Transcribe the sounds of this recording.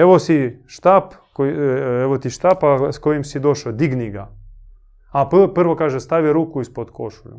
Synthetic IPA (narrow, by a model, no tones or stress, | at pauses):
ɛʋosiʃt̪ap | koɛʋot̪iʃt̪apaskojimsid̪oʃod̪iɡniɡa | appɨrʋokaʒɛst̪aʋʲiɾukʊispot̪ko̰ʃʊlʲʊ̰